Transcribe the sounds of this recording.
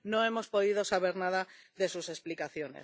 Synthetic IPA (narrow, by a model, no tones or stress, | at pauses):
no̞e̞mo̞spo̞ðiðo̞saβe̞ɾnaðaðe̞suse̞splikaθjo̞nḛs